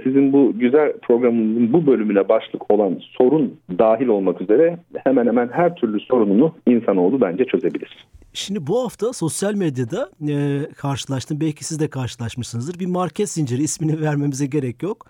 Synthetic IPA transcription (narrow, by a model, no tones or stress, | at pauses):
sizinbuɟyzælʲpʰɾo̞ɡɾamɯzɯnbubø̞lʲymynlʲɛbaʃlˠɯkʰo̞lˠanso̞ɾund̪aːɦilʲo̞lˠmakyze̞ɾɛhemænhemænɦæɾt̪ʰyɾlʲyso̞ɾununuinsano̞lˠd̪ubænd͡ʒɛt͡ʃʰø̞ze̞bilʲiɾ̥ʃimd̪ibuhaft̪ʰaso̞sjalʲmed̪jad̪a | kʰaɾʃɯlˠaʃt̪ɯmbɛlʲcʰi̥sizd̪ɛkʰaɾʃɯlˠaʃmɯʃsɯnɯzd̪ɯɾbimaɾcʰɛt̪sind͡ʒeɾiːsminivæɾme̞mizɛɟe̞ɾɛcjo̞k